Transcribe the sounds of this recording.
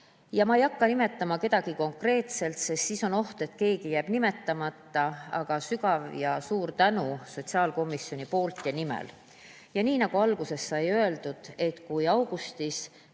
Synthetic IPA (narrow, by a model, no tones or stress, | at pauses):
jɑmɑejɑkːɑnime̞t̪ːˑɑmɑke̞d̪̥ɑɡ̥iko̞ŋkre̞ːt̪se̞lt̪se̞st̪siso̞no̞ht̪e̞t̪ke̞ːɡ̥ijæːb̥nime̞t̪ːɑmɑt̪ːˑɑɑɡ̥ɑsykɑvjɑsuːɾt̪ænuso̞t̪ʲsiɑːlko̞mːisːjo̞nipo̞ːlt̪jɑnimḛl | jɑniːnɑɡ̥uɑlɡ̥use̞sːɑjø̞e̞ld̪̥ud̪̥e̞t̪ˑkujɑwɡ̥ust̪is